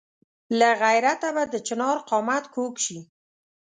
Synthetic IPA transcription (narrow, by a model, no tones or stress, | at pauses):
laɣajɾat̪abad̪ət͡ʃɪnɑɾqɑmat̪kʰokʃi